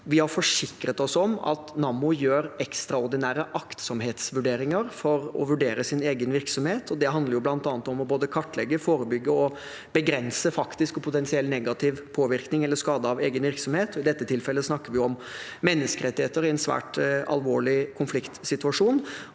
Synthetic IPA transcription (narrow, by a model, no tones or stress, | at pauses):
ʋɪhɑɾfɔʂɪkɾət̪ɔsɔmɑ̰t̪nɑmʊjøːɾɛkst̪ɾɑʊɾd̪ɪnæːɾəʔɑkt̪sɔmheːt̪sʋʉɖeːɾɪŋəɾfɔɾɔ̰ʋʉɖeːɾəsɪneːɡənʋɪɾksɔmheːt̪ʰɔd̪ɛɦɑnd̪ləɾjʊblɑnt̪ɑːnət̪ɔmɔboːd̪əkʰɑʈːlɛɡːəfoːɾəbʏɡːəɔ | b̥əɡɾɛnsəfɑkt̪ɪskɔpʰʊt̪ɛnsɪɛlnɛɡɑt̪ʰɪʋpʰoːʋɪɾknɪŋɛlːəskɑːd̪əɑʋeːɡənʋɪɾksɔmheːt̪ɔɪd̪ɛt̪ːət̪ʰɪlfɛlːəsnɑkːəɾʋɪjʊɔmmɛnːəskəɾɛt̪ːɪheːt̪ːəɾɪɛnsʋæ̰ːʈɑ̰lʋoːɭɪkʰʊnflɪkt̪sɪt̪ʉɑʂuːn